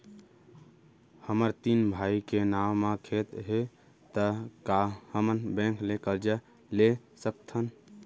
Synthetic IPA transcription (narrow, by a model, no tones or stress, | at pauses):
həməɾt̪inbʱaikenawmakʰet̪ɦe | t̪əkahəmənbẽŋkʰlekəld͡ʒə | lesək̚t̪ʰən